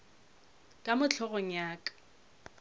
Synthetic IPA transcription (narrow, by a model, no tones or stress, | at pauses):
kʼamʊt͡ɬʰɔɣɔɲaːkʼḁ